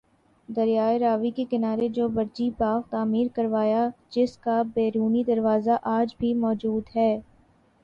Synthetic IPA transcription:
d̪ɐɾijaːeɾaːʋikekɪnaːɾed͡ʒoːbɐɾd͡ʒipaːxt̪aːmiːɾkɐɾʋaːjad͡ʒɪskabeːɾuːnid̪ɐɾʋaːzaʔaːd͡ʒbʱimɔːd͡ʒuːd̪ɦɛː

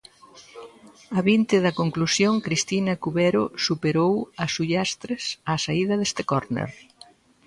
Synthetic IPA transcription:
ɐβint̪ɪðɐkoŋklusjoŋkɾist̪inɐkuβɛɾʊsupeɾowɐsuʎast̪ɾesasaiðɐðest̪ekoɾnḛɾ

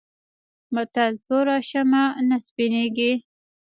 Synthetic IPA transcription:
mat̪alt̪oɾɑʃamanaspineɡi

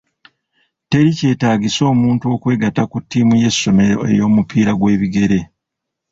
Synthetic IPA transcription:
te̞ɾice̞ːtaːɡiso̞ːmuːntuo̞ːkwe̞ːɡatakutʰːiːmuje̞sːo̞me̞ɾo̰e̞̰jo̞ːmupʰiːɾaɡwe̞ːβiɡe̞ɾe̞

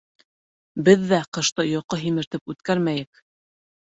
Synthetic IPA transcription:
bɘðːæqɤ̆ʃt̪ɤjoqɤɦimɘ̆ɾt̪ɘpʉt̪kæɾmæjɘk

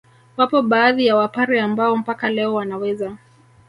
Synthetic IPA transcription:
wapɔɓaːðijawapaɾiambaɔm̩pakalɛɔwanawɛza

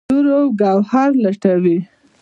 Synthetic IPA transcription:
uɾawɡɑwhɑɾlaʈawi

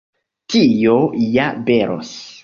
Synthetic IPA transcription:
tijojabeɾʔo̰s

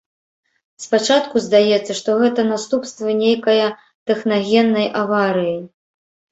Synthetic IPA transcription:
spat͡ʂat̪kuzd̪ajɛt̪sːɐʂt̪ɔɣɛt̪ɐnast̪upst̪vɨnʲejkɐjɐ | t̪ɛxnaɣʲɛnːɐjʔavaɾɨji

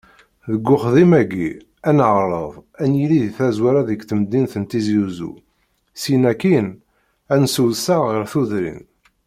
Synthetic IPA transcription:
ðəɡːʊχðimæɡḭ | ænʕɾˤəðˤænjiliðθæzwæɾæðəɡθəmd̪ːinθənt̪izjuzṵ | sinækin | ænsuðsæʁəɾθuðɾḭn

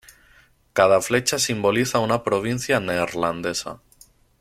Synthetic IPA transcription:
kað̞afle̞t͡ʃasimbo̞liθaunapɾoβ̞in̟θjaneɾland̪e̞sa̰

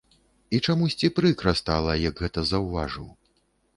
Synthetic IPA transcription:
it͡ʂamusʲt͡sʲipɾɨkɾɐst̪alˠɐjɐɡɣɛt̪ɐzɐwvaʐɨ̰w

